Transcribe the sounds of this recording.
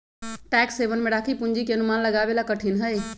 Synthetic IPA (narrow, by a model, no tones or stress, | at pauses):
ʈɛksebənmeɽakʰipund͡ʒikeənumanləɡabelakəʈʰinɦəj